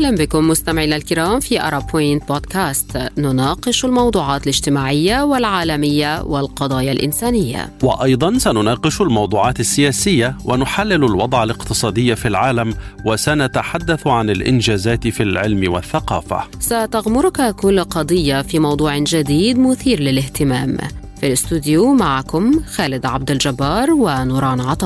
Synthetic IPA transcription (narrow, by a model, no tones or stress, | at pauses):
ʔahlambɪkʊmːʊst̪amʕiːnalkɪɾɑːmfiːʔa̰ɾˤɑpʰojɪnt̪̚boːd̪kaːst̪nʊnɑːqɨʃalmɑwd̪ˤuːʕɑːt̪alɪd͡ʒt̪ɪmaːʕɪjːawalʕaːlamɪjːawɪlqɑd̪ˤɑːjalʔɪ̰nsaːnɪjːa̰wɑ̰ʔɑjd̪ˤɑnsanʊnɑːqɪʃalmɑwd̪ˤuːʕɑːt̪asːɪjaːsɪjːawʔanʊħalːɪlalwɑd̪ˤʕalɪqt̪ɨsˤɑːd̪ɪjːafilʕaːlamwasanat̪aħad̪ːaθʕanalʔɪ̰nd͡ʒaːzaːt̪ɪfilʕɪlmɪwa̰θːaqɑ̰ːfa̰sat̪aɣmʊɾʊkakʊlːqɑd̪ˤɨjːafiːmɑwd̪ˤuːʕɪd͡ʒad̪iːd̪mʊθiːɾlɪlɪht̪ɪmaːm | filɪst̪uːd̪ɪjumaʕakʊmxaːlɪd̪ʕab̚d̪ɪld͡ʒabːɑːɾˤwanʊːɾˤɑːnʕɑt̪ˤɑː